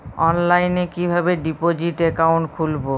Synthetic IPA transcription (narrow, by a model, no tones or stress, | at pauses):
ɔnlajnekibʱabeɖipod͡ʑiʈekawɳʈkʰulbo